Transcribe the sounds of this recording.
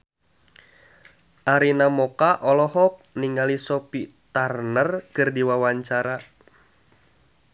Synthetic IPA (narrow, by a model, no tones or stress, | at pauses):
ʔaɾinamɔkaʔɔlɔɦɔk̚niŋɡalisɔpit̪arnərkɨrdiwawaɲt͡ʃaɾa